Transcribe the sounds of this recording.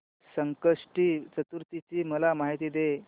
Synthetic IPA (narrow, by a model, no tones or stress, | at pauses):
səŋkəʂʈiːt͡sət̪uɾt̪it͡ɕiːməlamaɦit̪iːd̪e